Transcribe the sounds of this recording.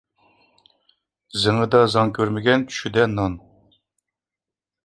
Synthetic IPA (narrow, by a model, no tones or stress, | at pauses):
zɨŋəd̪ɑzɑŋkʲʰøɾmɪɡʲɛnt̪ʲʰy̥ʃyd̪ɛnɑn